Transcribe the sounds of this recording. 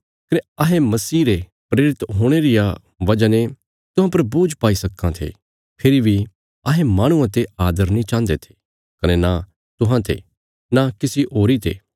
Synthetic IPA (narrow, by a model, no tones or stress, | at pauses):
kɐneɐɦẽmɐsiːɾepɾeːɾɪt̪ɦoːɽ̃eɾɪja | ʋɐd͡ʒane | t̪ʊɦãp̬ɐɾbuːd͡ʒpaːisɐkːãt̪ʰḛː | pʰɪɾibʱi | ɐɦẽmãːɽ̃uãt̪eaːd̪əɾnĩt͡ʃãːnd̪et̪ʰe̥ | kɐnena | t̪ʊɦãt̪ḛ | nakɪsiɦoːɾit̪ḛː